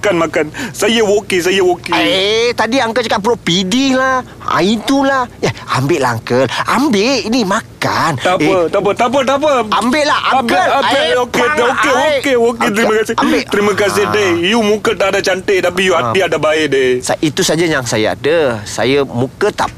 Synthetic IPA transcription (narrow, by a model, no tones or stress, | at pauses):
kanmakansajəwokis̬ajəwokiet̪adiaŋkəlt͡ʃakat̪̚pəloʔpidihlah | a̰it̪ulaheambɪʔlaɦaŋkəlʔambeʔinimakka̰nt̪aət̪apət̪ap̬ət̪ap̬əambeʔlahabəlokeokeoeok̬et̪̬ɾiməkasɪambeʔt̪ɾiməkas̬ɪhdehijumũkət̪aʔdat͡ʃant̪et̪ap̬ijuaiadabaɪʔdesaʔit̪usad͡ʒajaŋsajaa̰dəsa̰jəmũkət̪a̰ʔp